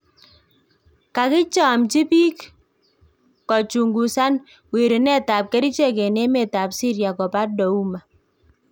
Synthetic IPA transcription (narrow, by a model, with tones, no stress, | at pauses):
ka˨kɪ˦t͡ʃa˨mt͡ʃi˦pi˦k | ɔ˨t͡ʃu˨ŋɡu˨sa˦n | we˨ɾi˨nɛ˦ta˨p̚kɛ˦ɾi˦t͡ʃe˦ke˨ne˦mɛ˨ta˨psi˦ɾja˨kɔ˨pa˦t̚dɔ˨u˦ma˨